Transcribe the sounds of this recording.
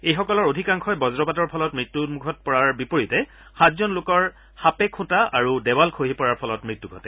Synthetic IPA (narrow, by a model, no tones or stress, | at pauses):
ejxɔkɔlɔɹodʱikaŋkʰɔjbɔzɹɔpatɔɹpʰɔlɔtmɹitːumukʰɔt̚pɔɹaɹbipoɹitɛ | xatzɔnlokɔɹ | hapɛkʰũtaʔaɹudɛwalkʰoɦipɔɹaɹpʰɔlɔtmɹitːuɡʱɔtɛ